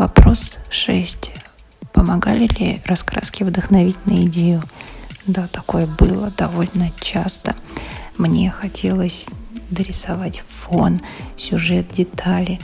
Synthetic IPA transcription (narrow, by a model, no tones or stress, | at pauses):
vɐpɾo̞sʂɛsʲtʲ | pəmɐɡalʲɪlʲɪ̰rɐskɾa̰skʲɪvd̪əxnɐvʲitʲnəɪdʲejʊd̪at̪ɐko̞jəbɨlˠəd̪ɐvo̞lʲnət͡ɕast̪əmnʲe̞xɐtʲʰe̞lˠəsʲd̪əɾʲɪsavatʲfo̞n | sʲʊʐɛt̪̚dʲɪt̪ʰalʲɪ